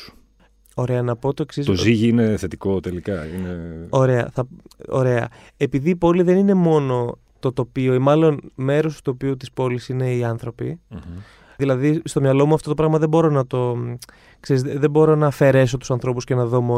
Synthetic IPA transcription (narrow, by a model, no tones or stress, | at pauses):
o̞ɾe̞ɐnɐpo̞t̪oeksist̪oziʝiine̞θe̞t̪iko̞t̪elikɐineo̞ɾe̞ɐ̰θɐo̞ɾe̞ɐ̰ | epiðiːpo̞liðe̞nine̞mo̞no̞ | t̪o̞t̪o̞pioimɐlo̞nme̞ɾo̞st̪u̥t̪opiut̪i̥spo̞lisine̞iɐnθɾo̞pi | ðilɐðist̪o̞mɲɐlo̞muɐft̪o̞t̪opɾɐɣmɐðe̞bo̞ɾo̞nɐt̪o̞ | kseɾizðe̞bo̞ɾo̞nɐfe̞ɾe̞s̬o̞t̪usɐnθɾo̞puscenɐðo̞mo